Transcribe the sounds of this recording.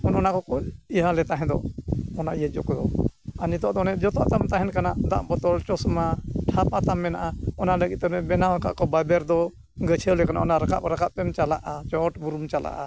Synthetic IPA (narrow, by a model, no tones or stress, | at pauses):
ɔnɔnakɔkɔiɦalɛt̪aɦɛ̃d̪ɔ̰ɔnaʔijɛd͡ʒɔ̰kɔd̪ɔanit̪ɔʔd̪ɔnɛʔd͡ʒɔt̪ɔʔt̪amt̪aɦɛnkanad̪a̰ʔbɔt̪ɔlt͡ʃɔsmaʈʰapat̪amːɛnaʔaɔnaləɡit̪̚t̪ɛmɛbɛnawaka̰ʔkɔbabɛɾd̪ɔ | ɡət͡ʃʰɛwlɛkana̰ʔɔnaɾəka̰p̚ɾakap̚pɛmt͡ʃala̰ʔat͡ʃɔʈbuɾumt͡ʃala̰ʔa